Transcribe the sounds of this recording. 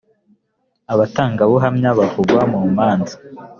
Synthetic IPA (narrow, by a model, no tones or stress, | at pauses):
aβataːŋɡaβoɦamɲaβavuɡwamumaːnzḁ